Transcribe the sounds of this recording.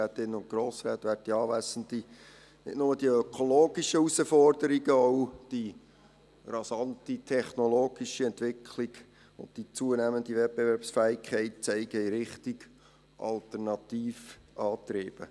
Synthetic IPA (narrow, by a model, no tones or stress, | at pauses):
æːt̪ɪnːʊntɡɾoːsɾæːt̪ʋæːɾd̚d̥iɑːʋæsən̩t̪i | nɪ̰d̥nʊməd̥iəœkʰoloːɡiʃəusəfɔrdəɾiɡəoʊd̥i | rɑsɑntitʰɛχnoloːɡ̥iʃiɛntʋɪkʰliɡ | ʊndd̥it͡suənæːmənd̪ivɛt̚bevɛɾpsfæːɪkʰɛɪt̚t͡sɛɪɡəiɾɪχtiɡ | ʔɑ̰ltəɾnɑtiːfʔɑːtɾeːb̥ə̰